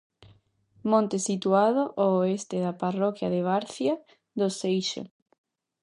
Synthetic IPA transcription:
mõnt̪esit̪uaðoʔoːest̪eðaparɔkjaðeβ̞aɾθja | ðosejʃḛ

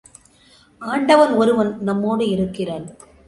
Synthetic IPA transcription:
aːɳɖɐʋɐnɔɾɯʋɐnnɐmːoːɽɯɪɾɯkːɪraːn

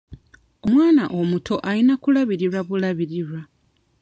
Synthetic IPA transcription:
o̞mwaːnaʔomutʰo̞ʔalinakulaβiɾiɾaβulaβiɾiɾwa

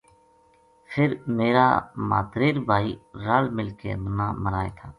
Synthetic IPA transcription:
pʰɪɾmeːɾa̰ːma̰ːt̪ɾeːɾbʱaːiːɾaːlmɪlkḛːd̪ənaːməɾaːḛːt̪ʰaː

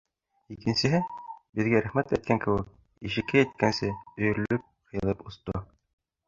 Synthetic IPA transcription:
ikɘ̆nsɘ̆ɦɘbɘ̆ðɡæɾæχmæt̪æt̪kæŋkɘ̆wɘk̚ | iʃɘ̆kːæjæt̪̚kænsɘɵ̆jɵ̆ɾ̆lɵp̚qʰɤ̆jɤ̆lˠɤpŏst̪o

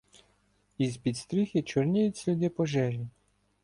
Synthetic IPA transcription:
izpʲit̪st̪ɾʲixʲit͡ʃʊrnʲijʊtʲsʲlʲʊd̪ʲɪpɔʒɛʒʲi

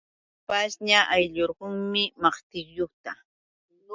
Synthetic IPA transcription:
pasɲaʔajʎoɾɢoŋmɪmɑχt̪ɪkjoχt̪a

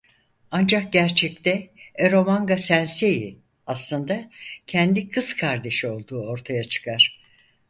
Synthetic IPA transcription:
and͡ʒak̚ɟæɾt͡ʃʰɛc̚t̪ɛeɾo̞maŋɡasænseji | aslˠɯnd̪acʰɛnd̪ikʰɯzkʰaɾd̪e̞ʃio̞lˠd̪uːo̞ɾt̪ʰajat͡ʃʰɯ̥kʰaɾ̥

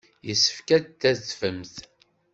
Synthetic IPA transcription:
jəsːə̥fkæt̪ːæðfəmθ

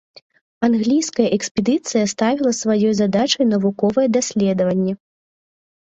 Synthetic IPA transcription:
anɣlʲijskɐjɐʔɛksʲpʲɛd̪ɨt̪sɨjɐst̪avʲilˠɐsvajɔjzad̪at͡ʂɐjn̪ɐvukɔvɐjɛd̪asʲlʲɛd̪ɐvɐnʲːɛ

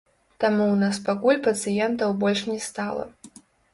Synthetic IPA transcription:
t̪amuwnas̬paɡulʲpɐtsɨjɛnt̪ɐwbolʲʂnʲɛst̪alˠɐ̰

